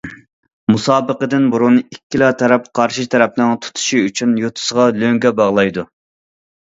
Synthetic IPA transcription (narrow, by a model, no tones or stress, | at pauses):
musɑːbəqəd̪ɪnbuɾunɨikʲːilˠɑːt̪ʰɛɾɛp̚qʰɑɾʃit̪ʰɛɾɛp̚nɪŋt̪ʰu̥t̪ʰu̥ʃiyt͡ʃʰynjot̪ʰʊ̥səʁɑløŋɡʲɛbɑʁlˠɑjd̪u